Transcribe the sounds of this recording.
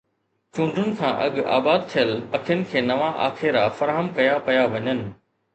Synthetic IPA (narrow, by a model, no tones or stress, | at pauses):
t͡ɕũːɳɖʱʊnɪ̆kʰãːʔɐ̰ɠa̰ːbaːd̪̚t̪ʰijəlɐkʰjənɪ̆kʰeːnɐʋaʔa̰ːxeɾafɐɾaːɦəmkɐjapɐjaʋɐɲənɪ̆